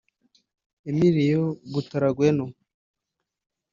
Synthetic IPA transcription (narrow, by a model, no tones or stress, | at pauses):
emiɾijoɡutaɾaɡweno